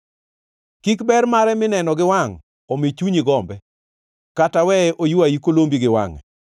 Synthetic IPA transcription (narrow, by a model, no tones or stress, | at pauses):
kikbɛrmaɾɛmɪnɛnɔɡɪwaŋ | omit͡ʃuɲiɡɔmbɛ | katawɛʔojuaikolombiɡɪwa̰ŋɛ̰